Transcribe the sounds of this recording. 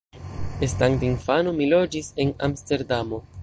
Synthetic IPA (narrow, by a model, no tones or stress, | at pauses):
estaŋdinfanomilo̞d͡ʒise̞na̰mste̞ɾdamo̞